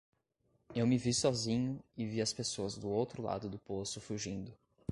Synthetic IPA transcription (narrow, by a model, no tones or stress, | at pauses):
ewmɪvisɔzĩɲʊɪviɐspesoɐzd̪ʊowt̪ɾʊla̰d̪ʊd̪ʊposʊfuʒĩnd̪ʊ